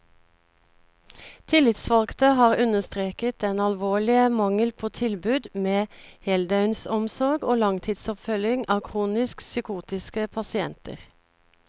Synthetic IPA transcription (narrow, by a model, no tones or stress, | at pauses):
t̪ʰɪlɪt̪sʋɑlɡt̪əhɑːʁʉnəst̪ʁeːkət̪ɛnɑlʋoːɭɪəmɑŋəlpʰoːt̪ʰɪlbʉːd̪meːhɛld̪ɑʉnsɔmsɔʁɡoːlɑŋt̪ʰiːd̪sɔpfœljɪŋʔɑːkʰʁuːnɪsksʏkuːt̪ɪskəpʰɑsɪɛnt̪ə̰ʁ